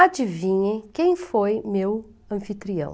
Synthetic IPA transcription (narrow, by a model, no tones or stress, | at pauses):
ad͡ʒivĩɲekẽj̃fojmew | ɐ̃fit̪ɾiɐ̰̃w̃